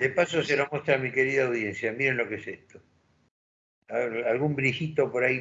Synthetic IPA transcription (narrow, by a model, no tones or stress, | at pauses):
d̪epasoselomwest̪ɾamike̞ɾiðaawðje̞nsjamiɾenlo̞kesest̪o | aalɣumbɾixit̪o̞poɾai